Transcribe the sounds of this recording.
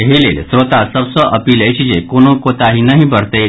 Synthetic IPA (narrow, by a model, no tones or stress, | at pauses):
ɦelelsɾot̪asəbsəʔəpiːləjt͡ɕid͡ʑekoñũkot̪aɦinəɦĩbʱəɾt̪e